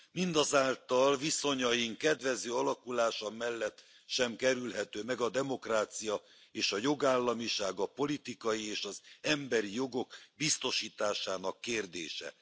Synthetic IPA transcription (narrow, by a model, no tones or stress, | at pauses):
mind̪ɒzaːlt̪ɒlviso̞ɲɒjiŋkɛd̪ʋɛzøːɒlɒkulaːʃɒmɛlːɛt̪ː | ʃɛmkɛɾylɦɛt̪øːmɛɡɒd̪ɛmo̞kraːt̪sijɒ | eːʃɒjo̞ɡaːlːɒmiʃaːɡɒpo̞lit̪ikɒjieːʃɒzɛmbɛɾijo̞ɡo̞kbist̪o̞ʃiːt̪aːʃaːnɒkːeːrd̪ḛːʃɛ̰